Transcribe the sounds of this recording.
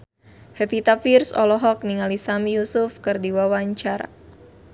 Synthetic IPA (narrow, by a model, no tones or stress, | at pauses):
hɛfit̪afirsɔ̰lɔɦɔk̚niŋalisamijusufkɨrdiwawaɲt͡ʃaɾa̰